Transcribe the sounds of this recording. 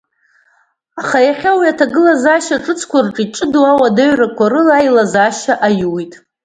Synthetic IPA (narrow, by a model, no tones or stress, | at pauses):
aχajaχʲawiatʰaɡɨlazaʃaʈ͡ʂʼɨt͡sʰkʷʰarʈ͡ʂʼiʈ͡ʂʼɨduawadaɥrakʷaɾɨlajlazaʃaʔajwitʼ